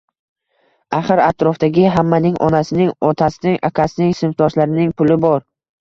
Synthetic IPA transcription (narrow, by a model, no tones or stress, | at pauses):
aχɨɾat̪ʰɾɒfd̪aɡʲɪɦamːanɪŋʔɒ̰nasɪnɪŋɒt̪ʰasɪnɪŋa̰kʰasɪnɪŋsɪnft̪ʰɒʃlaɾɪnɪŋpʰʊlɪbɒɾ